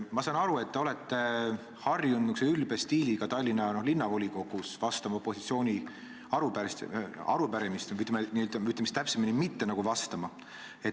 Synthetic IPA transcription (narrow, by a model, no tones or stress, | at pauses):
mɑsɑːnɑɾue̞t̪ːeo̞let̪ːˑe | hɑrjunːykseylbest̪iːliɡɑt̪ɑjlʲːinːɑnohlinːɑvo̞lʲiko̞ɡ̥usvɑst̪ɑmɑopːˑo̞sit̪sio̞ːnʲi | ɑɾupæɾst̪ɑ̰ɾupæɾemist̪nyt̪lmeniøt̪ɑyt̪ːˑlemist̪æpseminʲimit̪ːe̞nɑɡ̥uvɑst̪ɑmɑ | e̞